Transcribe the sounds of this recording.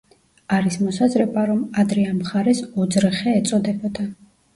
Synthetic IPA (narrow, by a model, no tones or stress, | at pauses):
aɾismɔsazɾɛbaɾɔmad̪ɾɛamχaɾɛsɔd̪zɾɛχɛːt̪sʼɔd̪ɛbɔd̪a